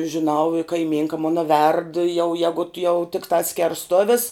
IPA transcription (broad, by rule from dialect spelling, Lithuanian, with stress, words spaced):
ʒʲɪˈnɐʊ ɪ kɐɪˈmʲiːŋkɐ ˈmoːnɐ ʋʲɛrt jɛʊ ˈjæːɡʊt jɛʊ tʲɪkˈtɑː sʲkʲɛrsˈtoːʋʲɪs